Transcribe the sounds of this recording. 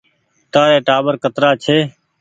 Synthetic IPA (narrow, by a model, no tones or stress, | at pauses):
ʈ̪aːɾeːʈaːbəɾkət̪ɾaːt͡ʃʰeː